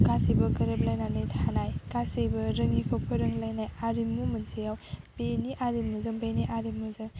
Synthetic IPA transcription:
kasibɐkɐɾɐp̚lajnanijtʰanajkasijbɐɾɐŋikʰɐwpʰɯɾɐŋlajnajaɾimumɐnsijawb̥eniʔaɾimːuzɯŋbeniʔaɾimːuzɯŋ

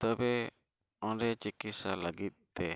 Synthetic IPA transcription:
t̪ɔbɛ | ɔ̃ɾɛt͡ʃikisaləɡit̪̚t̪ɛ

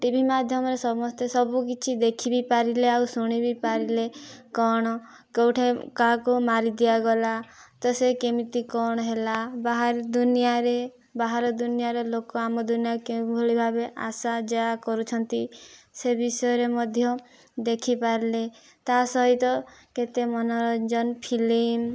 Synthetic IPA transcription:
ʈibʱimad̪ʱjɔmɔɾesɔmɔst̪esɔbukit͡ʃʰid̪ekʰibipaɾileawsuɽ̃ibipaɾilekɔɽ̃ɔ | kowʈʰekakumaɾid̪iaɡɔlat̪ɔsekemit̪ikɔɽ̃ɔɦelabaɦaɾd̪unijaɾe | baɦaɾɔd̪unijaɾelokɔamɔd̪unijakeũbʱoɭibʱabeʔasad͡ʒakɔɾut͡ʃʰɔnt̪isebisɔɔɾemɔd̪ʱjɔ | d̪ekʰipaɾile | t̪asɔɦit̪ɔket̪emɔnɔɾɔd͡ʒɔnpʰilim

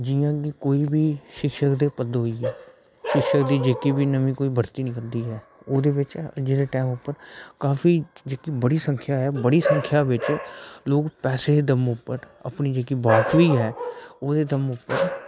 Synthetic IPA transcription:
d͡ʒɪjãːkikoːiːbiːʃɪkʃəkd̪eːpəd̪ɦoːiːɛː | ʃɪkʃəkd̪iːd͡ʒeːkiːbiːnəʋĩːkoːiːbʱəɾt̪iːnĩːkəɾd̪iːɦɛː | oːd̪eːbɪt͡ʃə̰d͡ʒeːd̪eːʈɛːmʊpːəɾkaːfʰiːd͡ʒeːkiːbəɽiːsə̃ŋkʰjaːɦɛːbəɽiːsə̃ŋkʰjaːʋɪt͡ʃloːkpɛːseːd̪əmʊpːəɾ | ə̰pniːd͡ʒeːkiːbaːkʰʋiːɦɛːoːd̪eːd̪əmʊpːəɾ

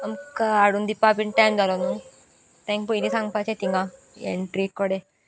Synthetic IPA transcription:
ɐmkaɽund̪ipːapiɳʈajmd̪aɾon | t̪ẽŋkpuiɾisãŋɡpat͡ʃʰet̪iŋɡa | ḛɳʈɾikːɔɽe

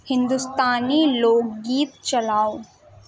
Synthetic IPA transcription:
hɪ̃nd̪ust̪aːniloːɡɡiːt̪t͡ʃɐlaːo

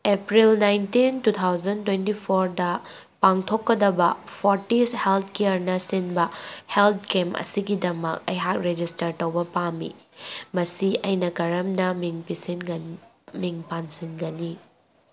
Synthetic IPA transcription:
epɾilnajntintut̪ʰawzɐntwentipʰoɾdɐ | paŋtʰokːɐdɐbɐpʰoɾtishelt̪̚ʰkeɐɾnɐsinbɐhelt̪̚kemʔɐ̰siɡidɐmɐk̚ɐ̰jɦak̚ɾed͡ʒistɐɾtɐwbɐpamḭmɐsiʔɐjnɐkɐɾɐmnɐmiŋpisin | miŋpansinɡɐni

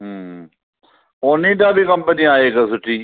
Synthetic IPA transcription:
ɦː | oːnĩːʈãːbʱikɐmpəniːaːeːkasʊʈʰːiː

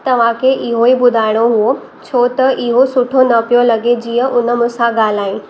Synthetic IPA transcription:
t̪ɐʋ̤ãkʰeʔɪɦoibʊd̪ʱaːɪɽ̃oɦuo | t͡ɕʰoːt̪ɐʔɪɦosʊʈʰonɐpijolɐɡed͡ʑiːə̃ʔʊnə̆mʊ̃sãɡaːl̤aːĩː

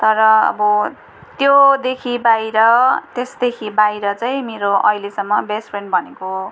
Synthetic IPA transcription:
t̪ʌɾʌʌ̰bʌ | t̪jod̪ekʰibajɾʌt̪esd̪ekʰibajɾʌt͡saj̃meɾoʔʌ̰ilesʌmːʌbespʰrenbʱʌneko

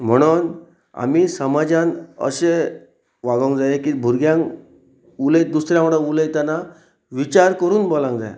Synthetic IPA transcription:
m̤əɽ̃uːn | a̰miːsəmad͡ʑãnə̰ɕe | ʋaɡəŋkd͡zajekibʱuɾɡjãŋ | uləj̚d̪usɾjãməɽə̃uləjt̪ana | ʋit͡ɕaɾkəɾuːnbɔlãŋkd͡za̰jḛ

